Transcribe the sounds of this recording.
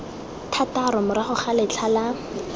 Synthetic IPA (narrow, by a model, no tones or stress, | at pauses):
tʰataɾɔmʊɾaχʊχalɪt͡ɬʰala